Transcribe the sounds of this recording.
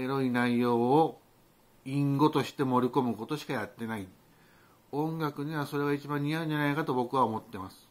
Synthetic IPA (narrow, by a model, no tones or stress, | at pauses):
eɾo̞inaijo̞ː | ĩŋɡo̞t̪o̞ɕi̥t̪e̞mo̞ɾʲiko̞mɯ̟ko̞t̪o̞ɕi̥kajat̪ːe̞nai | õ̞ŋɡakɯ̟ɲ̟iβ̞aso̞ɾe̞ɡait͡ɕibãɲɲ̟iaɯ̃ɲd͡ʒanaikat̪o̞bo̞kɯ̟β̞aomo̞t̪ːe̞masɨ̥